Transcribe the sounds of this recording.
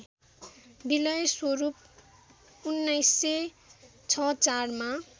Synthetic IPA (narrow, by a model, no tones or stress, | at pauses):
bilʌjswoɾup̚ | unːʌjsːe | t͡sʰʌt͡sarma